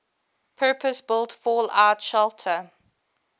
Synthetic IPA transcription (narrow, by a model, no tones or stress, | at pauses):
pʰɜːpʰəsbɪlˠtfɔːla̰ʊtʃɛlˠtʰə